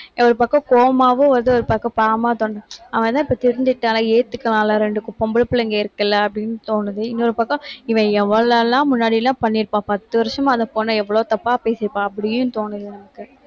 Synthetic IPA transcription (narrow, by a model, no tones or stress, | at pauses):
ɐɾɯpɐkːɐ̃koːmaːʋɯ̃ʋɐnd̪ɯɔɾɯpɐkːɐ̃paːmaːt̪oːnɯ̃ɐʋɐ̃t̪ãːɪpːoːt̪ɪɾɯɲd͡ʒɪʈːaːlãeːt̪ːɯkːɐlãːlãɾɛɳɖɯkʊpːɐmbɐɭpːɯlɐɪŋɡeɪɾɯkːɐlːɐɐpːɽɪnːɯt̪oːnɯðɯɪnːoɾɯpɐkːɐ̃ɪʋɛ̃ɛʋɐɭɐlːãːmʊnːaːɽilːãːpɐnːɪɾɯpːãːpɐt̪ːɯʋɐɾʂɐmãɐðɐ̃poːnɐ̃ɛʋːɐɭoːt̪ɐpːaːpeːsɪɾɯpːãːɐpːɐɽɪjʊ̃t̪oːnɯðɯnɐmɐkːɯ